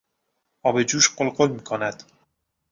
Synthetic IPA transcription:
ɒːbed͡ʒuːʃɢolɢolmiːkʰonæd̪̥

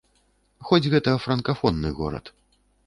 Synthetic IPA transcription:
xɔd͡zʲɣɛt̪ɐfɾɐnkafɔnːɨɣɔ̰ɾɐ̰t̪

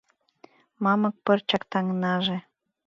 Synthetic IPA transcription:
mɑmɤ̆k̚pərt͡ɕɑkt̪ɑŋnɑʒe

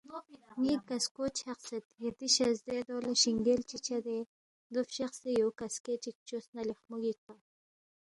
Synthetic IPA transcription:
nikaskot͡ʃʰaxsat̪jet̪iʃazd̪ed̪olaʃiŋɡelt͡ʃit͡ʃad̪e | d̪ʊfʃaxsijokasket͡ʃik̚t͡ʃosnalixmuɡik̚a

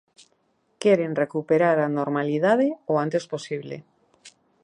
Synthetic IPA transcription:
keɾenrekupeɾaɾanoɾmaliðað̞eoant̪esposiβlḛ

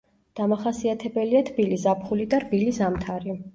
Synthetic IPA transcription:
d̪̥amaχasiat̪ʰɛbɛliat̪ʰbilizapʰχulid̪aɾbilizamt̪ʰaɾi

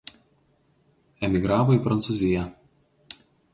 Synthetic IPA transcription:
ɛmʲɪɡɾɑːʋoiˑpɾɐnt̪suˑzʲɪjɛ

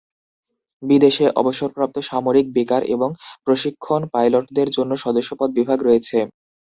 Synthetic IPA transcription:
bid̪eʃeʔɔ̰boʃoɾpɾap̚t̪oʃamoɾik̚bikaɾʔḛboŋpɾoʃikʰːonpajloʈd̪eɾd͡ʑonːoʃɔd̪oʃːopɔd̪̚bibʱaɡɾojet͡ɕʰe

